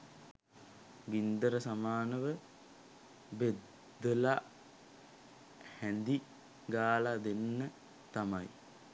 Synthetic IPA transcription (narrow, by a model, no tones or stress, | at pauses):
ɡind̪əɾəsamaːnəʋə | bed̪ːəla | hænd̪i | ɡaːlad̪enːə | t̪amaj